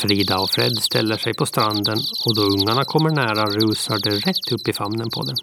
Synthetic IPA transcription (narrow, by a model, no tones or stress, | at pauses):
fɾiːd̪aɔfɾɛ̰d̪st̪ʰɛ̰lːəʂɛjpʰɔst̪ɾand̪ənɔd̪ɔɵŋːaɳakʰɔmːəɳæːɾaɾʉːsaɖɛɾɛt̪ʰːɵpːɪfamnənpʰɔ̰d̪ɛ